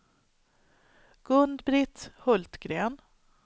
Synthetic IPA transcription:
ɡ̥ɵnd̪bɾɪt̪hɵlt̪ɡ̥ɾeːn

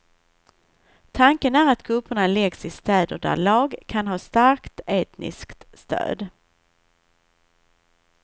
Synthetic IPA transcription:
t̪ʰaŋkənæːɾat̪kʰɵpːəɳalɛɡsɪst̪ɛːd̪əɖæ̰lɑːɡkʰanɦɑːst̪aɾkt̪eːt̪nɪ̰skt̪st̪ø̰ːd̪

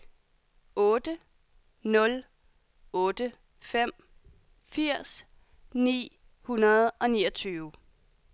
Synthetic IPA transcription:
ɔ̽ːd̥ə | nɔ̽l | ɔ̽ːd̥ə | fem̰ | fiɐ̰s | nḭː | hunɐð̩ˠʔɒ̽niːɒt͡sʰyːʊ

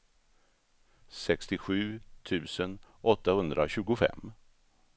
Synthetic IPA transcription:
sɛkst̪ɪɧʉ̟ːt̪ʰʉ̟ːsənʔɔt̪ːahɵnd̪ɾʔaɕʉ̟ːɡʊfɛ̰mː

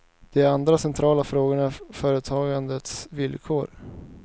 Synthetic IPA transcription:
d̪̥ɛæɾand̪ɾasɛnt̪ʰɾɑːlafɾoːɡəɳafœːɾət̪ʰɑːɡand̪ət̪svɪlkʰoːɾ

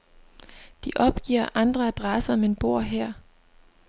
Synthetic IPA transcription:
d̥iʔɒ̽b̥ɡ̥ḭɐ̰ʔɑ̈nd̥ʁɐæd̥ʁɑsɐɒ̽me̝nb̥o̝ɐ̰ɦɛɐ̰

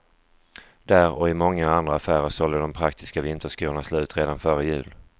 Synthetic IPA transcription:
d̪æːɾɔɪmɔŋːaand̪ɾaːfæːɾəʂɔld̪əd̪ɔmpʰɾakt̪ʰɪ̥skavɪnt̪əʂkuːɳasloʉ̟ːt̪ɾeːd̪anfœɾəjʉ̟̰ːl

